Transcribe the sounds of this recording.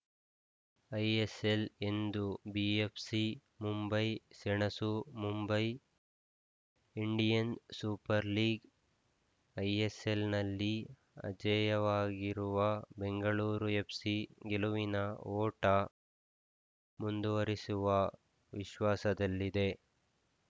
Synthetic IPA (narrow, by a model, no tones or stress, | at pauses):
ɐjesele̞nd̪ubiepʰsi | mumbɐjsɛɳɐsumumbɐj | iɳɖijɐnsuːpɐɾliːɡ | ɐjeselnɐlːi | ɐ̰d͡ʒɐjɐʋaːɡiɾuʋɐbeŋɡɐɭuːɾuje̞psiɡe̞luʋinɐɔːʈɐ | mund̪uʋɐɾisuʋɐ | ʋiʃʋaːsɐd̪ɐlːid̪e̞